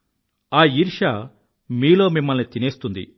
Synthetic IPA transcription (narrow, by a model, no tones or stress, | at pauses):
aːiɾʂaː | miːlo̞ːmimːɐlnit̪ineːst̪und̪ḭ